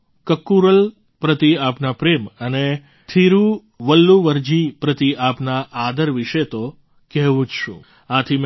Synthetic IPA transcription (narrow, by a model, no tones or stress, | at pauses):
kəkːuɾəl | pɾət̪iapnapɾeməne | t̪ʰiɾu | ʋəlːuʋəɾd͡ʒipɾət̪iʔapnaʔad̪əɾʋiʃet̪o | kɛɦʋũd͡ʒʃṵ̃ | ãt̪ʰim